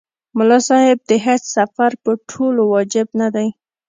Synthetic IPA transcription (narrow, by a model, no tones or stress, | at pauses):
mʊlɑsɑhɪb̚d̪əɦet͡ʃsafaɾpəʈʰolowɑd͡ʒɪbnad̪aj